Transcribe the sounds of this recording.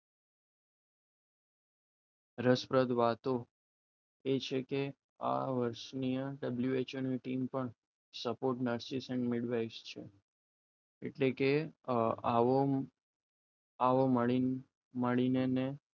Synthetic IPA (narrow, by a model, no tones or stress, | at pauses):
ɾəspɾəd̪ʋat̪o | et͡ʃʰeke | a̰ʋəɾʃnijãɖəbljuet͡ʃənmiʈimpəɳ | səpoɾʈnəɾsisɛɳɖmɪɽʋaist͡ʃʰḛ | ḛʈleke | o | aʋoməɭi | məɭinene